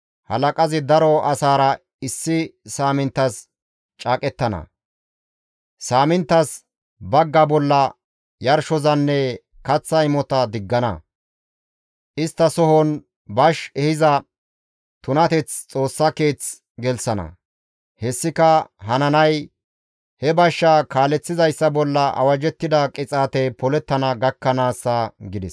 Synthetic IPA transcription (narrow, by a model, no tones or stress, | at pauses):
hɐ̰lɐkʼɐzɪd̪ɐɾɔɐsaːɾɐ | ɪsːɪsaːmɪnt̪ːɐs | t͡ʃʼaːkʼɛt̪ːɐnɐ̰ | saːmɪnt̪ːɐs | bɐɡːɐbɔlːɐ | jɐɾʃɔzɐnːɛ | kɐt͡sːɐɪmɔt̪ɐd̪ɪɡːɐnɐ̰ | ʔɪst̪ːɐsɔhɔn | bɐʃɛhɪzɐ | t̪ʊnɐt̪ɛt͡st͡sʼo̞ːsːɐke̞ːt͡s | ɡɛlsɐnɐ̰ | hɛsːɪkɐɦɐnɐnɐj | hɛbɐʃːakaːlɛt͡sːɪzɐjsːɐbɔlːɐɐ̰wɐd͡ʒɛt̪ːɪd̪ɐkʼɪt͡sʼaːt̪ɛjpɔlɛt̪ːɐnɐɡɐkːɐnaːsːɐɡɪd̪ɛs